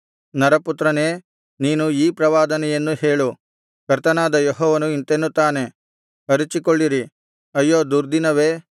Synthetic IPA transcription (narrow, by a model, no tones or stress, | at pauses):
nɐɾɐput̪ɾɐne̞ː | niːnuiːpɾɐʋaːd̪ɐnɛjenːuhe̞ːɭu | kɐɾt̪ɐnaːd̪ɐjoɦɔːʋɐnuint̪enːut̪aːne̞ | ɐɾit͡ʃikoɭːiɾi | ɐjːoːd̪uɾd̪inɐʋeː